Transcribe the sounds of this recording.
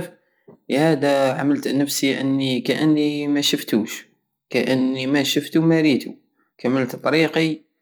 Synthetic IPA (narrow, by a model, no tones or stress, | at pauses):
f | hæd̪æʕaməlt̪nəfsiʔənːikæʔənːimæʃəft̪uʃ | kæʔənːimæʃəft̪umæɾit̪u | kaməlt̪t̪ˤɑɾiqi